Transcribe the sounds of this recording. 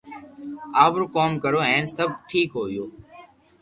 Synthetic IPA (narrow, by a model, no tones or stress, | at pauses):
aːbɾkoːmkəɾoːɦɛ̃ːnsəb̚ʈʰiːkɦoːjoː